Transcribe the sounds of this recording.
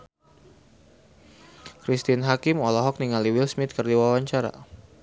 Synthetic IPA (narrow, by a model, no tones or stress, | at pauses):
kɾist̪inɦakɪmɔlɔɦɔk̚niŋaliwilsmɪt̪̚kərdiwawaɲt͡ʃaɾa̰